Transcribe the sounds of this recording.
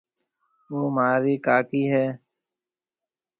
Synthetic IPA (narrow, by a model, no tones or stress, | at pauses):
ʋoːmaːɾiːkaːkiːɦɛː